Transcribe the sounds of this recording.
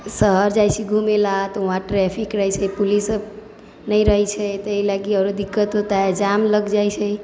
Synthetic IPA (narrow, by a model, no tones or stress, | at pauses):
səɦəɾd͡ʒajt͡ʃʰiɡʱumelat̪uɦãʈɾɛpʰikɾəɦɛt͡ʃʰɛpulisəb | nəjɾəɦɛt͡ʃʰɛt̪əilaɡiɔɾod̪ikːət̪ɦot̪aɦɛd͡ʒamləɡd͡ʒajt͡ʃʰɛ